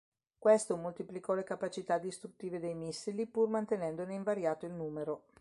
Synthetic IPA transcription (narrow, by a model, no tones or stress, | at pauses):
kwest̪omolt̪iplikɔlekapat͡ʃit̪ad̪ːist̪ɾut̪ːiːved̪ejmisːilipurmant̪enɛnd̪oneiɱvaɾjaːt̪oilnuːmeɾo